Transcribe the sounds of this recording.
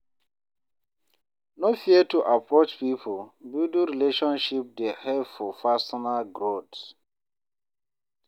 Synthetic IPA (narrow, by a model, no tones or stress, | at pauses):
nofiətuʔapɹot͡ʃpipʰolbidũɹileʃɔ̃nʃip̚dehɛvfɔfasɔnalɡɹot